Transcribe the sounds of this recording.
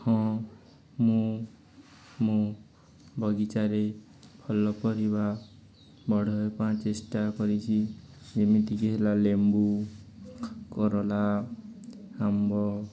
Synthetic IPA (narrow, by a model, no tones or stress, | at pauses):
hɔ̃ | mũ | mũ | bʱɔɡit͡ʃaɾe | pʰɔlɔpɔɾiba | bɔɽʱɔjpãt͡ʃesʈakɔɾit͡ʃʰi | d͡ʒemit̪ikeɦelalembu | kɔɾɔla | hambɔ